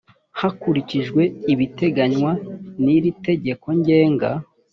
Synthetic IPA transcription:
hakuɾiciʒɡwe̞iβite̞ɡaɲwaniɾite̞ɟe̞ko̞ɲɟe̞ːŋɡa̰

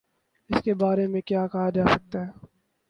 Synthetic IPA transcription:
ɪskebaːɾemẽkjaːkɐɦad͡ʒaːsɐk̚t̪aɦɛː

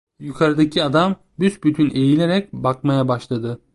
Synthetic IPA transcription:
jukʰaɾɯd̪acʰiad̪am | bysbyt̪ʰyne̞jilʲe̞ɾɛc̚bakmajabaʃlˠad̪ɯ

